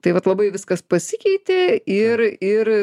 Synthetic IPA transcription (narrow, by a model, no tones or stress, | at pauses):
t̪ɐɪʋɐt̪lˠɐbɐɪʋʲɪskɐspɐsʲɪkʲɛɪt̪ʲeɪɾɪr